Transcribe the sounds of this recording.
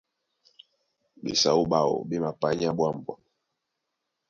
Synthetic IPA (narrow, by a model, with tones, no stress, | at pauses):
ɓḛ˨sa˦u˦ɓa˦˨ɔ̰˨ɓɛ˦ma˨pa˦ɲ˦a˦ɓwa˦˨mbwa˨